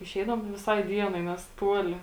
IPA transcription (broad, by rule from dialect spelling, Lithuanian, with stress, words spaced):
ɪˈʃʲɛɪdɐʋoːm tɐɪ ʋʲɪˈsɐɪ ˈdʲiɛnɐɪ ˈnʲɛs ˈtuɔlʲɪ